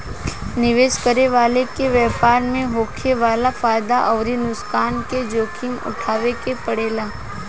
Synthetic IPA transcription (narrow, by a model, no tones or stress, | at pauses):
nɪʋeːʃkəɾeʋaːlekeʋjɛːpaːɾmẽɦoːkʰeʋaːlafaːjd̪aʔɔːɾinʊskaːnked͡ʒoːkʰɪmʊ̰ʈʰaːʋekepɐɽeːlaː